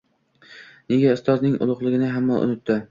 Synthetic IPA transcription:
neɡʲaʊst̪ɒznɪŋʊ̰lˠʊqlˠɪɡʲɪnɪɦamːɒnʔʊ̰ʊt̪ːɪ

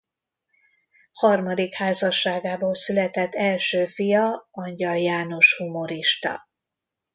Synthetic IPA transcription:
hɒrmɒd̪ikhaːzɒʃːaːɡaːboːlsylɛt̪ɛt̪ːɛlʃøːfijɒɒɲɟɒljaːno̞ʃhumo̞ɾiʃt̪ɒ̰

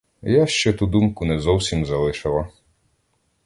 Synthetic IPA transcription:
jaʃt͡ʃɔt̪ud̪umkʊnɛzɔwsʲimzɐlˠɪʃɪlˠɐ

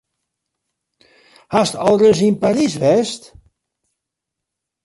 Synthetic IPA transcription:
hastɔlˠrəs̬inpaɾisʋɛst

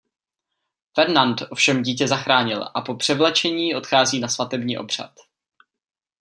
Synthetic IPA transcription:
fɛɾnant̪ʔo̞fʃɛmɟiːcɛzaxɾaːɲɪlʔapo̞pr̥ɛvlɛt͡ʃɛɲiːʔo̞t̪xaːziːnasvat̪ɛbɲiːʔo̞̰br̝̥a̰t̪

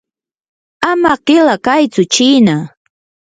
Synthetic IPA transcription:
amaɢɪlakajt͡sʊt͡ʃiːna

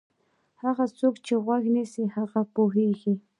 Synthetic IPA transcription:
hɑɢɑt͡sʊkt͡ʃɪwaknɪsɪhɑɢɑpʊxɪjkɪ

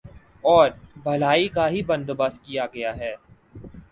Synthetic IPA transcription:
ɔːɾbʱɐlaːikaɦibɐ̃nd̪bɐskijaɡɐjaɦɛː

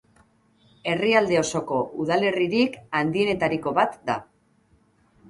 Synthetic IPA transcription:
e̞riald̪e̞o̞so̞ko̞ʔuðale̞riɾikand̪ie̞ne̞t̪aɾiko̞βat̪d̪a̰

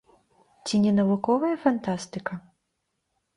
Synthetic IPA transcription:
t͡sʲinʲɛnɐvukɔvɐjɐfant̪ast̪ɨkɐ

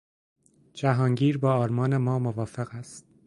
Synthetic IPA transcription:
d͡ʒæɦɒːŋɟiːɾbɒːɒːɾmɒːne̞mɒːmovɒːfeɣæst̪̚

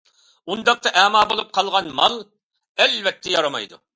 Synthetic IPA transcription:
und̪ɑq̚t̪ɑʔɛmɑːbolˠup̚qʰɑlˠʁɑnmɑlˠ | ɛlvɛt̪ʰːɛjɑɾɑmɑ̰jd̪ṵ

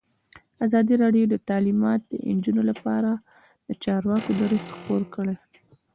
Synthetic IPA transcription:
azɑd̪iɾɑɖjod̪ət̪ɑlimɑt̪̚d̪ə̰ʔɪ̰nd͡ʒunolapɑ̰ɾa | lət͡ʃɑɾwɑkod̪aɾesxpoɾkəɽe

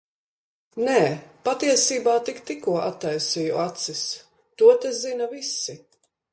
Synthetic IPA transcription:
nɛːpat̪iɛsiːbaːt̪ikt̪ikuɔʔat̪ːajsiːjuat̪sis | t̪uɔt̪ɛzinɐvisi

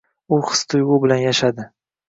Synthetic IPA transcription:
ʊχɨ̥st̪ʰʊjʁʊbɪlanjaʃad̪ɪ

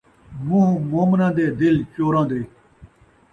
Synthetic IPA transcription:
mũːmoːmnãːd̪eːd̪ɪlt͡ɕoːɾãːd̪e

